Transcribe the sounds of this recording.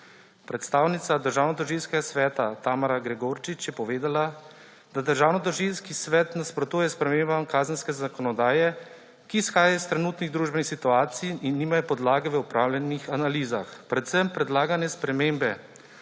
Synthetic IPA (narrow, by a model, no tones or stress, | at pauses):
pɾɛt̪st̪aːwnit̪sad̪əɾʒaːwnɔt̪ɔɾʒiːlskɛɡasʋɛːt̪at̪aːmaɾaɡɾɛɡoːɾt͡ʃit͡ʃjɛpɔʋeːd̪ala | d̪ad̪əɾʒaːwnɔt̪ɔʒilskisʋɛːt̪naspɾɔt̪uːjɛspɾɛmeːmbamkaːzənskɛzakɔnɔd̪aːjɛ | kisxaːjaist̪ɾɛnuːt̪niɣd̪ɾuːʒbɛnixsit̪uaːt̪sijinːiːmajɔpɔd̪laːɡɛʋəupɾaːwlʲjɛnixanaliːzaxpɾɛt̪sɛmpɾɛd̪laːɡanjɛspɾɛmeːmbɛ